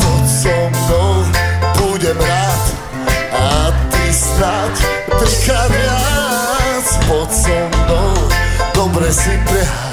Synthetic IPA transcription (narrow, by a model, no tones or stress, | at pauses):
bɔtsɔmd̪ɔbuɟɛmɾat̪ | at̪ist̪a | t | d̪ʃkavɪa | spɔsɔmd̪ɔd̪ɔbɾɛsipɾɛɦa